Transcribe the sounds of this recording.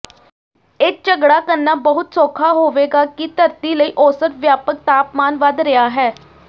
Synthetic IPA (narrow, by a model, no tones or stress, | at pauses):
ɪk̚t͡ʃəɡɽaːkəɾnːaːbəɦʊt̪soːkʰaːɦoːʋeːɡaːkit̪əɾt̪iːləiːʔɔːsət̪ʋjaːpək̚t̪aːpmaːnʋəd̪ɾɪjaːɦɛː